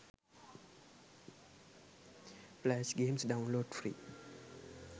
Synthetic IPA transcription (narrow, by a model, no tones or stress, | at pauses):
plɛʃɡẽmsdawnloɖfɾḭː